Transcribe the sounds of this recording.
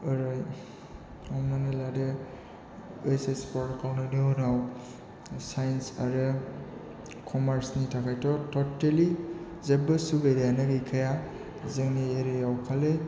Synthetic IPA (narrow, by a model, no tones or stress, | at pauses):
ɯɾɯj | awmanelade | esespɔɾtkawnɯnɯonaw | sajnsa̰ɾɯ | kʰɔmaɾsnitʰakʰajtɔtɔteli | zebɯsubejdanɯɡɯjkʰaja | zɯŋnieɾeawkʰale